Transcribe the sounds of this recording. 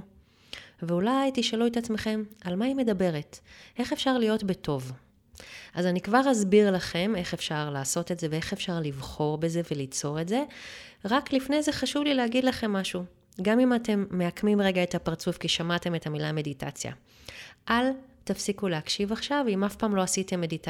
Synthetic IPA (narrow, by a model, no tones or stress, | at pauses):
veulajjtiʃaluet̪at͡sme̞χe̞malmaime̞dabe̞ʁe̞te̞χe̞fʃaʁlijo̞tbeto̞v | azanikvaʁazbiʁlaχe̞me̞χe̞fʃaʁlaːso̞tetzevee̞χe̞fʃaʁlivχo̞ʁbe̞ze̞ve̞lit͡so̞ʁe̞tze̞ | ʁaklifne̞jze̞χaʃuvlileaɡidlaχe̞mːaʃu | ɡamimate̞mːe̞akmimʁe̞ɡaetapaʁt͡sufkiʃamate̞me̞tʰamilame̞ditʰa̰t͡sja̰ | ʔaltafsikuleakʃivaχʃavimafpaːmlo̞asite̞mːe̞dita